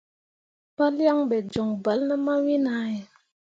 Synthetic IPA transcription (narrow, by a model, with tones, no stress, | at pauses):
pa˦lja˦ŋbɛ˨d͡ʒo˨ŋba˨˦lnə˦ma˦wi˦na˦je˨